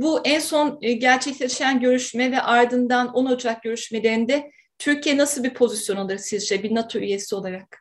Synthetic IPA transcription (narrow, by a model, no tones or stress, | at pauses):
buʔænso̞nɟæɾt͡ʃʰɛclʲeiʃænɟø̞ɾyʃmɛvɛʔaɾd̪ɯnd̪ano̞nod͡ʒak̚ɟø̞ɾyʃme̞lʲe̞ɾind̪ɛ | t̪ʰyɾcʰijɛnasɯlˠbiɾpʰo̞zisjo̞nalˠɯɾsizd͡ʒɛbinat̪ʰo̞yje̞sio̞lˠaɾak̚